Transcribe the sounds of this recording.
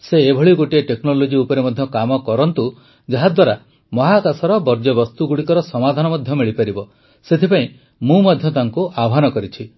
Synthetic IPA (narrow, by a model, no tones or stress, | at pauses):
seːbʱɔɭiɡoʈieʈeknolod͡ʒiupɔɾemɔd̪ʱjɔkamɔkɔɾɔnt̪u | d͡ʒaɦad̪waɾa | mɔɦakasɔɾɔbɔɾd͡ʒɔbɔst̪uɡuɽikɔɾɔsɔmad̪ʱanɔmɔd̪ʱjɔmiɭipaɾibɔ | set̪ʰipaĩ | mũmad̪ʱjɔt̪aŋkuʔaɔɦanɔkɔɾit͡ʃʰi